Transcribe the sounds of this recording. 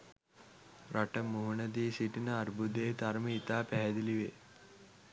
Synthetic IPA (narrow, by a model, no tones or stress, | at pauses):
raʈəmuɦunəd̪iːsiʈinəaɾbud̪eːt̪aɾməit̪aːpæɦɛd̪iliʋe